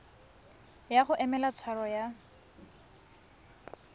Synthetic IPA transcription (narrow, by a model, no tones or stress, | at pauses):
jaχʊʔɛmɛlat͡sʰwaɾɔja